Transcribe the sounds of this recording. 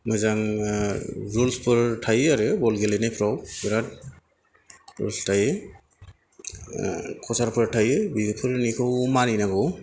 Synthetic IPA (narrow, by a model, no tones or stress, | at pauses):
mɯjzaŋ | ɾulspʰɯɾtʰajaɾɯbɔlɡelenajpʰɾawbiɾat̚ | ɾṵlstʰajɯ | kʰɔsaɾpʰɯɾtʰajɯbiɡɯpʰɯɾnikʰɯwmaninaɡɯw